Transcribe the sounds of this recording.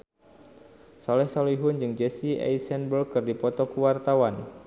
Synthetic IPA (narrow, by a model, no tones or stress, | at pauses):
sɔlɛhsaliɦʊnd͡ʒɨŋd͡ʒɛsiɛ̰jsɛnbərkɨrdipɔt̪ɔkuwart̪awan